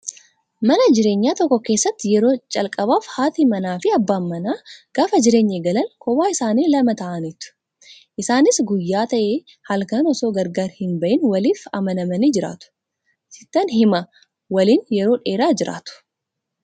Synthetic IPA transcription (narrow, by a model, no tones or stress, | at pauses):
mɐnɐd͡ʒɪɾe̞ːɲːaːt̪ɔkːɔke̞ːsːɐt̪ːɪjɛɾo̞ːt͡ʃʼɐlkʼɐbaːfhaːt̪imɐnaːfɪɐbːaːmːɐnaːɡ̥aːfɐd͡ʒɪɾe̞ːɲːɛɡɐlɐnkɔwaːɪsaːniːlɐmɐt̪ɐʔɐnɪt̪ːʊ̥ | ʔɪsaːnɪsɡʊjːaːt̪ɐʔe | hɐlkɐnɔso̞ːɡɐɾɡaːɾhɪnbɐʔɪnwɐliːfɐ̰mɐnɐmɐnid͡ʒɪɾa̰ːt̪ʊ̥ | sɪt̪ːɐnhɪmɐ | wɐliːnjɛɾoːᶑe̞ːɾaːd͡ʒɪɾa̰ːt̪ʊ̥